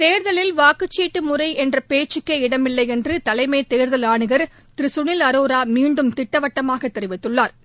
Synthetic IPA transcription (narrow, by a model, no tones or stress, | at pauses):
t̪eːɾðɐlɪlʋaːkɯt͡ʃːiːʈːɯmʊrɐɪɛndrɐpeːt͡ʃːɪkːɐɪɽɐmɪlːɐɪɛndrɯt̪ɐlɐɪmeːt̪eːɾðɐlaːɳɯɣɐɾ | t̪ɪɾɪsʊɳɪlɐɾoːɾaːmiːɳɖɯmt̪ɪʈːɐʋɐʈːɐmaːɣɐt̪ːɛɾɪʋɪt̪ːɯɭːaːɾ